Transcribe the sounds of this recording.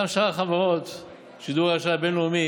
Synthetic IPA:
amʃaʁaχavaʁot̪ | ʃid̪uʁaʃabenloumi

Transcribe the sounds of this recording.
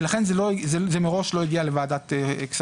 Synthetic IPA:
laχenzelozezemeʁo̞ʃlo̞iɡialevaːd̪at̪eks

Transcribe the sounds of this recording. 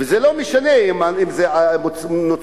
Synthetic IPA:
vezelomeʃaneimaimzeamno

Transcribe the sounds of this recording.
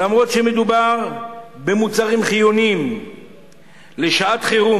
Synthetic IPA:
amʁo̞tʃeme̞d̪ubaʁbe̞mut͡saʁimχijonim | leʃaat̪χeʁu

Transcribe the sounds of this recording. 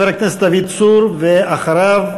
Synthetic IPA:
eɾaknesd̪avid̪̚suɾveʔaχaɾav

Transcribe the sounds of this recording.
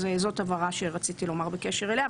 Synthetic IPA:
zezo̞t̪avaʁaʃeʁat͡sit̪ilo̞maʁbekeʃeʁelea

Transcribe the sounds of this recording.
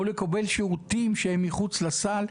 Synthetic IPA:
ulekabe̞lʃeʁut̪imʃeemːiχut͡slasal

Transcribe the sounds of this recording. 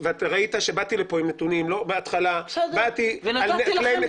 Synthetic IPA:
veat̪aʁait̪aʃe̞bat̪ilepoimnetunimlo̞beat̪χalabat̪ialnlem

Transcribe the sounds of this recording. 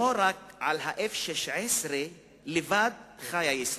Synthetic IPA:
oɾak̚ʕalhaʔefʃeʃʕesɾe | levad̪̚χajajis

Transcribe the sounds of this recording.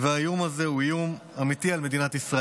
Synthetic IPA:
veajumaze̞ujum | amit̪ialme̞d̪inat̪isʁa

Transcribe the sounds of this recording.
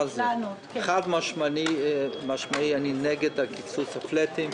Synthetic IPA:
z | χadmaʃmaimaʃmaianinɛɡɛdakʰit͡susaflɛtim

